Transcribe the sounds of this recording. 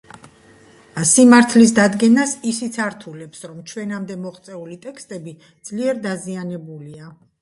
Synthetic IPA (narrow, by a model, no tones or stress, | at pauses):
simaɾt̪ʰlis̬d̪ad̪ɡɛnasisit̪sʰaɾt̪ʰulɛpsɾɔmt͡ʃʰwɛnamd̪ɛmɔχt̪sʼɛulit̪ʼɛkʰst̪ʼɛbi | d̪z̥liɛɾd̪azianɛbulia